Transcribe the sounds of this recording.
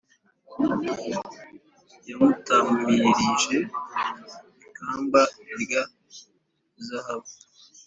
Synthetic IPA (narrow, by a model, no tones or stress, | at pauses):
jamutamiɾiʒe | kaːmbaiɾja | zahaβu